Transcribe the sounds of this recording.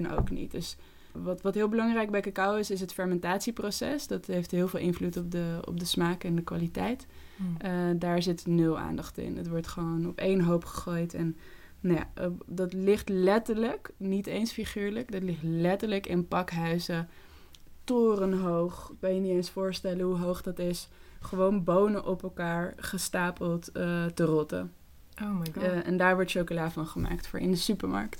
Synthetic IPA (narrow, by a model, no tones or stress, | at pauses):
no̰wknḭt̚døs | ʋɑtʋɑtɦɪːlˠbəlɑŋrɛjɡ̚bɛjkakawɪsɪs̬ɦətfɛɹmɛntaːtsiprowsɛ̰sdɑtɦejftɦɪːlˠvɪːlˠʔɪnvlutɔp̚dəɔ̰p̚dəsmaːkɛndəkʋa̰ːlitɛjt | ədaːɹzɪtnøla̰ːndɑχtɪ̰nətʋɔɹtχəʋonɔpejnɦowpχə̥χoːjtɛn | nja̰dɑtlɪχtlɛtəɹləknitejnsfiχiːɹləkdɑtlɪχtlɛtəɹləkɪnpɑkɦœɥzə | tʊːrənɦowχkɑnjənitensfʊːɹstɛləɦuɦowχdɑtɪsχəʋownbownəʔɔpɛlˠkaːɹχəstaːpəlˠttərɔtə̰ | oɛ̰ndaːɹʋɔɹtʃowkolaːfɑnχəma̰ːktfʊ̰ːɹɪ̰ndəsypəɹmɑ̰ɹkt